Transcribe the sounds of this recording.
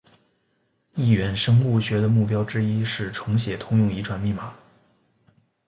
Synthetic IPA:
i˥˩ɥɛ˧˥nʂɤ˥ŋu˥˩ɕɥɛ˧˥d̪ə˧mu˥˩p̬jɑ˥ʊʈ͡ʂɻ̩˥i˥ʂɻ̩˥˩ʈ͡ʂʰɤ˧˥ŋɕjɛ˨˩t̪ʰʊ˥ŋjʊ˥˩ŋi˧˥ʈ͡ʂʰwa˨˩nmi˥˩ma˨˩˦

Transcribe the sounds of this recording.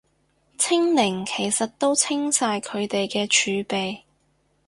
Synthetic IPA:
t͡sʰɪ˥ŋnɪ˨˩ŋkʰe˨˩jsɐ˨t̚t̪ːo˥wt͡sʰɪ˥ŋsaː˧jkʰɵ˨˧ɥt̪e˨jkɛː˧t͡ʃʰyː˨˧pe˨j

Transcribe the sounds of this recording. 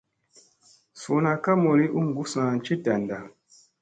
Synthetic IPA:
su˨na˨ka˦mo˨ɾi˦ʔu˦ŋ˨ɡu˦sã˨nt͡ʃi˦da˨nda˨

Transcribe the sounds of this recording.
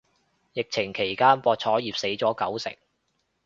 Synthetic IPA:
jɪ˨k̚t͡sʰɪ˨˩ŋkʰe˨˩jkaː˥npɔː˧t̚t͡sʰɔː˨˥jiː˨p̚se˨˥jt͡sɔː˨˥kɐ˨˥wsɪ̰˨˩ŋ

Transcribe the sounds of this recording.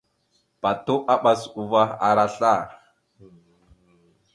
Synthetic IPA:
pa˨tu˦ʔa˦ɓa˨su˨va˦a̰˨ɾa˨ɬa˦˨

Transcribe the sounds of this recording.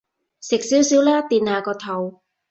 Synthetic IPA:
sɪ˨k̚siː˨˥wsiː˨˥wlɛː˥t̪iː˨naː˨˧kɔː˧t̪ʰɐ˨˩w

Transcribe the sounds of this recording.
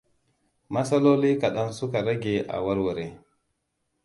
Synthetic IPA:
ma˦sa˦lo˦li˦ka˨ɗa˦nsu˦ka˨ɾa˦ɡe˨ʔa̰˨wa˦ɾwa˨ɾe˨

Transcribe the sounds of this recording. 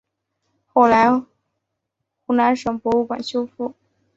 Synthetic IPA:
xo˥˩ʊla˧˥ɪ | xu˧˥˩na˧˥nʂɤ˨˩ŋpwɔ˧˥u˥˩kwa̰˨˩nɕjo˥ʊfu˥˩

